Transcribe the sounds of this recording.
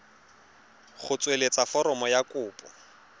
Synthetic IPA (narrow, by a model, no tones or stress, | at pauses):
χʊt͡sʼwelet͡sʼafɔɾɔmɔjakʼʊːpʼɔ̰